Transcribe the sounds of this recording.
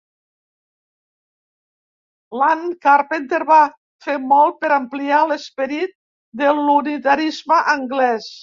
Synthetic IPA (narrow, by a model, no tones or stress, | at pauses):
lankaɾpent̪eɾβa | femɔlˠt̪̚peɾəmplialespəɾit̪̚ | d̪əlunit̪aɾizməʔəŋɡlɛs